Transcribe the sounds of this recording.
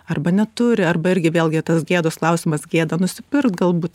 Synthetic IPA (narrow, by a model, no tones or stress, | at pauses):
ɐrbɐnʲɛt̪ʊɾʲɪɐrbɐɪɾʲɡʲɪʋʲeːlˠʲɡʲɪt̪ɐsɡʲeːd̪oːsklˠɐʊsʲɪmɐsɡʲeːd̪ɐnʊsʲɪpʲɪrkt̪ɡɐlˠbuːt̪